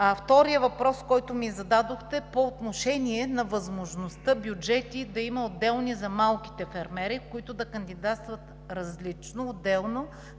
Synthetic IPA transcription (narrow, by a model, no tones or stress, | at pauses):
ɐft̪ɔɾijəvɐpɾɔskɔjt̪ʊmizɐd̪ad̪oxt̪ɛpoːt̪noʃɛniɛnɐvɐzmoʒnost̪ɤbʲjud͡ʒɛt̪id̪ɐimɐod̪ɛlˠnizɐmalˠki̥t̪ɛfɛɾmɛɾikoit̪ʊd̪ɐkɐnd̪id̪at̪st̪vɐt̪ | ɾɐzlit͡ʃnoːd̪ːɛlˠno